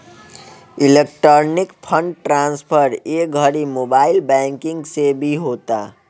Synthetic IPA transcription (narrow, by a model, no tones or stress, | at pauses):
ilek̚ʈəɾnikpʰəɳɖʈɾãnspʰəɾek̚ɡʱəɾimobailbɛ̃ŋkiŋɡsebʱiɦot̪a̰